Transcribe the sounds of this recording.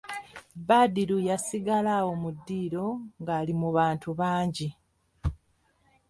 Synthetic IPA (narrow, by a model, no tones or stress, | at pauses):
baːdiɾujasiɡalaːwo̞mudːiːɾo̞ŋɡaːlimuβaːntuβaːɲɟi